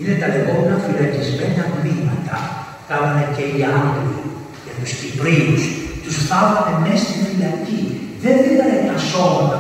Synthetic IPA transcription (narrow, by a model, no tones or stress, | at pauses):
inet̪ɐðiɣo̞menɐfilɐcizmenɐvlimɐt̪ɐ̰ | θɐlɐnɐceiɐŋɡoli | ʝɐt̪uscipɾiust̪usθɐvɐnemest̪inelɐciðe̞nθilɐnet̪ɐso̞mɐt̪ɐ